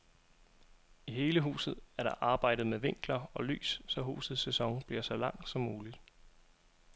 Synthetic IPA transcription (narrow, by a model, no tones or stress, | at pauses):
iɦe̝ːləɦṵːsð̞̩ˠæɐɾ̥ɑ̈ʔɑ̈ːb̥ɑ̈ɪ̰d̥ð̞̩ˠmeʋe̝ŋ̰ɡ̥lɐɒ̽ly̰ːsːɒ̽ɦṵːsð̩ˠsesɒ̽ŋb̥liɐsɒ̽lɑ̈ŋ̰̥sɒ̽mːuːlid̥